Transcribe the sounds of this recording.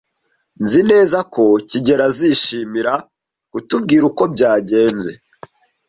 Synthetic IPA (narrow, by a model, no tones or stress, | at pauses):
nzine̞ːzakʰo̞ciɟe̞ɾaziʃiːmiɾa | kutub̚ɡiːɾuko̞b̚ɟaːɟe̞ːnze̞